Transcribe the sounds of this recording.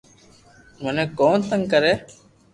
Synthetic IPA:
məneːkoːnt̪əŋkəɾeː

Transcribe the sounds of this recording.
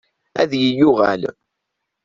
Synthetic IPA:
æðjəjʊʁæl

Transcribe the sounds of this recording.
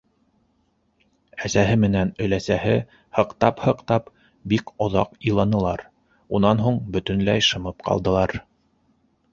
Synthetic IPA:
æsæɦɘmɘ̆nænɵ̆læsæhɘ | hɤ̆qt̪ɑphɤ̆qt̪ɑp | bikŏðɑ̰qɤ̆jlˠɑnɤ̆lˠɑɾ | unɑnɦuɴbɵ̆t̪ɵ̆nlæjʃɤ̆mɤpqɑ̰lˠd̪ɤ̆lˠɑɾ

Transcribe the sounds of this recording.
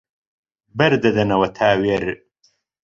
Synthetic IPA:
bɐɾd̪ɐd̪ɐnɐwɐt̪ʰaːweɾ

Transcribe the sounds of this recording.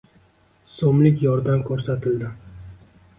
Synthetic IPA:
somlɪkʲjɒɾd̪amkʰɵɾsat̪ʰɪld̪ɪ

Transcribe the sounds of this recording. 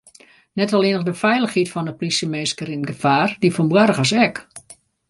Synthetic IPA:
nɛtɔlɪːnəɣdəfɛjləxhitfɔndəplisəmeːskəɾinɡəfaːrdifɔnbwaɾəɣasɛk

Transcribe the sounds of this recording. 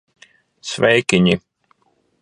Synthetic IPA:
svɛjkʲiɲi

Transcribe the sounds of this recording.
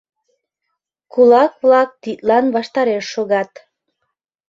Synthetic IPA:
kulɑkβlɑk̚t̪it̪lɑnβɑʃt̪ɑɾeʃːoɣɑt̪

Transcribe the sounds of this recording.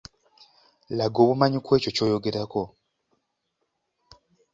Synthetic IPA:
laɡo̞ːβumaɲikwe̞ːco̞co̞ːjoɡeɾako̞

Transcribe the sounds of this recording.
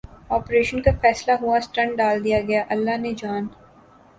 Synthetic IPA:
ɔːpɾeːʃənkafɛːslaɦuasʈɐ̃ɳɖ̚ɖaːld̪ijaɡɐjaʔɐlːaɦned͡ʒaːn

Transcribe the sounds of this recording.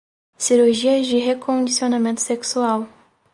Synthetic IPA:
siɾuɾʒiɐd͡ʒɪɦekõnd͡ʒisionamẽnt̪ʊ̥seksuaw

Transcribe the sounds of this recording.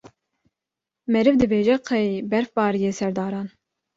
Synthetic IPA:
mɛɾɨvd̪ɨbeːʒɛqʰɛjbɛɾfbɑːɾijeːsɛɾd̪ɑːɾɑːn

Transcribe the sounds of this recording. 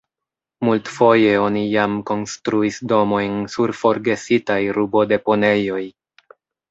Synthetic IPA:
multfo̞je̞o̞nijamko̞nstɾuisdo̞mo̞jnsuɾfo̞ɾɡe̞sitajɾubo̞de̞po̞ne̞jo̞j

